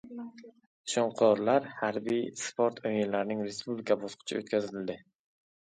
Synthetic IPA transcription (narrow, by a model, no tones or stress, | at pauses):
ʃɒɴqʰɒɾlaɾhaɾbijspʰoɾt̪ʰojɪnlaɾnɪŋɾe̞spublikʰabɒsqʰʊ̥t͡ʃʰɪ̰ot̪kʲʰazɪld̪ɪ